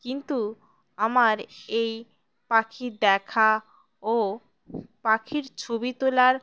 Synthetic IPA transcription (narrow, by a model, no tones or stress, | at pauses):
kint̪u | amaɾej | pakʰid̪ɛkʰa | o | pakʰiɾt͡ɕʰobit̪olaɾ